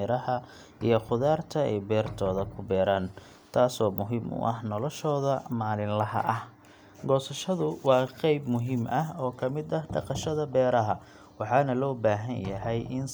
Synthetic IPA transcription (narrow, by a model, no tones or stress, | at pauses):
ɾɐhɐ | ijɞχʊðaːrt̪ʰɐɛjbɛːrt̪ʰɔːðɐkʰʊbɛːɾaːn | t̪ʰaːsɔːmʊɦɪmʊ̰ʔɐ̰hnɔlɔʃɔːðɐmaːlɪnlɐɦɐ̰ʔɐh | ɡɔːsɐʃɐðʊwɑːqejbmʊɦɪmʔɐɦɔːkʰɐmɪd̪ɐhɖɑ̰qɑʃɐðɐbɛːɾɐɦɐ | wɑħɑːnɐlɔːbaːɦɐnjɐɦɛjʔɪn